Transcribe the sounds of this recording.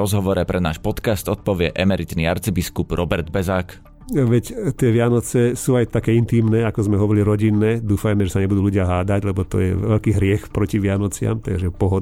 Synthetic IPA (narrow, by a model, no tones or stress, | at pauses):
ɾɔzɦɔʋɔɾɛpɾɛna̰ːʃpɔt̪kast̪ɔt̪̚pɔʋɪɛʔɛmɛɾit̪niaɾt͡sibiskubɾɔbɛɾd̪̚bɛzaːk | ʋɛct̪ɪɛʋɪanɔt͡sɛsuːajt̪akɛːint̪iːmnɛːakɔzmɛɦɔʋɔɾiliɾɔɟinːɛːd̪uːfajmɛʒɛsaɲɛbud̪uːluɟɪaɦaːd̪aɟlɛbɔt̪ɔ̰jɛʋɛlkiːɦɾɪɛxpɾɔciʋɪanɔt͡sɪa̰mt̪aɡʒɛpɔɦɔd̪